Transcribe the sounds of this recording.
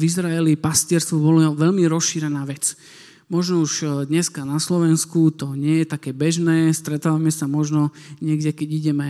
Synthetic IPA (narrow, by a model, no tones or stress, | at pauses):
vizɾaɛlipascɪɛɾst̪ʋubɔlɔʋɛʎmiɾɔsʃiːɾɛnaːʋɛt͡s | mɔʒnɔuʒd̪ɲɛskanaslɔʋɛnskut̪ɔɲɪɛjɛt̪akɛːbɛʒnɛːst̪ɾɛt̪aːʋamɛsamɔʒnɔɲɪɛɡɟɛkɛɟiɟɛmɛ